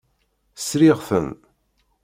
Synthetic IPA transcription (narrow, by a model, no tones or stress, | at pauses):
sɾiʁθə̰n